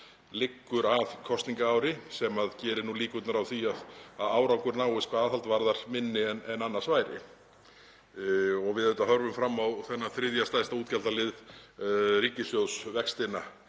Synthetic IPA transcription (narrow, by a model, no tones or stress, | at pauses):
lɪkːʏɾaðkʰɔst̪niŋkaaːwɾɪsɛmaðcɛːɾɪnuliːkʏt̪naɾawθiaðaðaːwɾawkʏɾnaːwɪskvaðaðθhalt̪vaɾðaɾ̥mɪnːɪɛnɛnanːḁsvaːjɾɪ̰ | ɔɣvɪðɛt̪aɦœɾvʏmfɾamːawθɛnːaθɾɪðjast̪ajst̪auːt̪calt̪alɪð | ɾiːcɪsjowsvɛkst̪ɪna